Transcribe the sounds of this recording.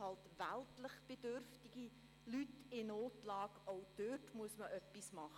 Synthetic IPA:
hɑltʋæltləχb̥edørftiɡ̥i | lytɪnoːtlɑːɡʔoʊd̥øtmuəsməʔœpːismɑχə

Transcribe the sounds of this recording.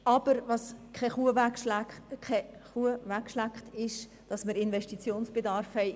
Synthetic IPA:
ɑb̥əɾvɑskʰɛχuəʋʰ | ɛχuəvækːʃlækχtɪʃ | d̥ɑsməɾɪnvɛʃtit͡sjoːnsb̥edɑːɾfhɛɪ

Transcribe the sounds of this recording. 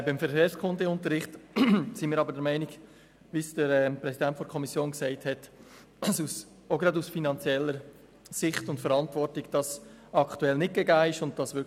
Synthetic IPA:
bɪmfɛɾkʰeːɾskʰʊndəʊntəɾɪχtsɪnmiːɾɑbəɾd̥ɛɾmɛɪnɪɡ | ʋisd̥əɾɛpɾɛsidɛntfɔɾkʰɔmisjoːnksɛɪthɛt | sus | oɡɾɑdusfinɑnt͡sjɛlːəɾ | sɪχtʊntfəɾɑntʋɔɾtɪɡd̥ɑs | ɑkʰtuɛlnɪt̚ɡ̥eɡaːɪʃʊnt̚d̥ɑsʋɪ

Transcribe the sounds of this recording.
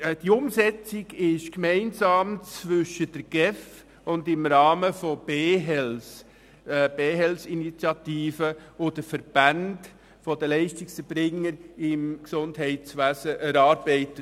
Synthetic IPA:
d̥iʊmsɛt͡sɪɡɪʃkmɛɪnzɑːmt͡svʏʃəd̥əɾɡ̥ɛf | ʊndɪmɾɑːməfob̥eːɦɛls | b̥eːɦɛlsinit͡sjɑtiːfəʊd̥əfəɾb̥and | fodəlɛɪʃtɪksəb̥ɾɪŋəɾɪmksʊndɦɛɪtt͡sʋæːsəʔɛɾɑːɾb̥ɛɪtə

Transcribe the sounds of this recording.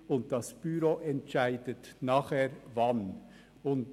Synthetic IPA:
ʊnt̚d̥ɑsb̥yɾoʔɛntt͡ʃaɪdətnaːχhɛːɾvɑn | ʊnt

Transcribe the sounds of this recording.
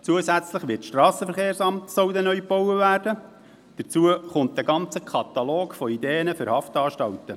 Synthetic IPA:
t͡suəsæt͡sləχʋɪtʃtɾɑːsəfəɾχeːɾsɑmtsɔwdənœʏpɔwəvæːrd̥ə | d̥ət͡suəχʊnt̚d̥̪əɡɑnt͡səkʰɑt̪ɑloːkfɔid̪eːənəfʏɾhɑftɑːʃtɑwtə

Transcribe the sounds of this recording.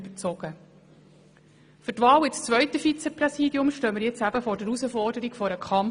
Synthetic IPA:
bət͡sɔɡ̥ə | fʏtʋɑːwɪst͡sʋœʏtəfit͡sɛprɛsiːdjʊmʃtøːməɾjɛt͡sæbəfɔːɾdəɾusəfɔrdəɾikfɔɾəkʰɑm

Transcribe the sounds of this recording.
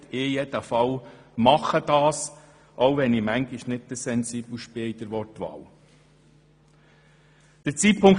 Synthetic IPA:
ɪjɛd̥̪əfɑw | mɑχəd̥̪ɑːs | ʔowʋɛnimæŋɡɪʃnɪt̚təsɛnsiːbl̩ˠʃpɪid̥̪əɾʋɔrtʋɑ̰ːw | d̪̥ət͡siːt̚pʰʊŋk

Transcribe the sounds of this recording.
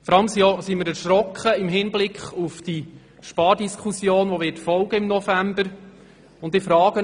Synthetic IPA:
fɔɾɑləmsiosimɪɾɛɾʃɾɔkχəɪmɦɪnblɪkχufd̥i | ʃpɑːdiskʰusjoːnʋoʋɪtfɔlˠɡ̥əɪmnɔfæmbəɾ | ʊnddɪːfɾɑːɡ̥ə

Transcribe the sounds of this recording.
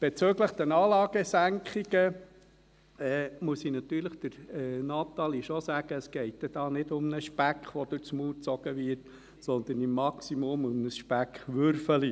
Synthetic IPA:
b̥et͡søɡləχd̥̪ɛnɑːlɑːɡ̥əsæŋkχiɡ̥ə | ɛːmuəsinɑt̪yːɾləχd̥̪əɾɛnɑt̪ɑliʃɔsæːɡ̥əːsɡ̥ɛɪttːɛd̥ɑːnɪdʊmnəʃpækχʋɔd̥̪ʉt͡smuːt͡sɔɡ̥əʋɪɾt | sɔnd̪ənimːɑksimɔmʊmnəsʃpækχʋøɾfəli

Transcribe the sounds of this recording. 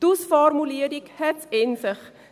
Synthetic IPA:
d̥usfɔrmuliəɾikhɛtɛnsəχ

